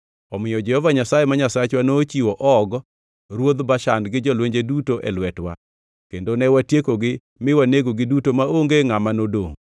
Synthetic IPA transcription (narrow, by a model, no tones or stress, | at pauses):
ɔmɪjɔd͡ʒɛhɔvaɲasajemaɲasat͡ʃwanot͡ʃiwɔʔɔɡ | ɾwod̪baʃandɡɪd͡ʒɔlweɲd͡ʒedutoʔɛ̰lwɛtwa̰ | kendonɛwatjekoɡɪ | mɪwaneɡoɡɪdutomaoŋɡeŋamanodo̰ŋ